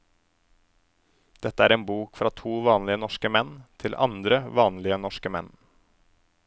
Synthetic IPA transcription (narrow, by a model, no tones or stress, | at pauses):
d̪̥ɛt̪əæːɾeːnbuːkfɾɑːt̪ʰuːʋɑːnlɪənɔʃkəmɛnt̪ʰɪlʔɑ̰nd̪ɾəʋɑːnlɪənɔʃkəmɛn